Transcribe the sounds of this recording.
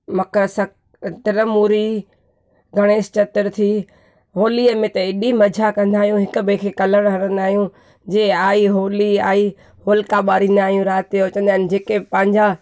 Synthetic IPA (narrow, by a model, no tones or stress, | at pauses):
mɐkəsɐ | d̪ɪɾəmuːɾi | ɡʱɐɽ̃eːst͡ɕɐt̪ɪɾt̪ʰiː | ɦoːliəmẽt̪ɐɪɗimɐd͡ʑʱakɐ̃nd̪aːɦijũɦɪkʊ̆bekʰekɐləɽ̃ɦɐɽə̃nd̪aːɦijũ | d͡ʑeːaːiɦoːliaːi | ɦoːlkaɓaːɾĩːnd̪aːɦijũɾaːt̪ot͡ɕə̃nd̪aːɦɪnɪ̆d͡ʑeːkepɐ̃ɦɪ̃ɲd͡ʑa